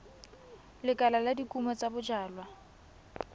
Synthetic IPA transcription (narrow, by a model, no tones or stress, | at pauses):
lɪkʼalaladikʼumɔt͡sabʊd͡ʒaːlwa